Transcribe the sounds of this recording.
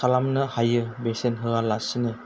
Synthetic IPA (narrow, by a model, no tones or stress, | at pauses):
alamnɯhajɯbesenɦɯɣalasɯnɯ